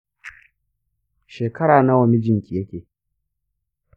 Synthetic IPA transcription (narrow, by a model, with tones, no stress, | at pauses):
ʃeː˨kɐ˦ɽaː˨na˦wɐ˨mi˦d͡ʒɪ˦ŋkʲi˨jɐ˦kʲeː˨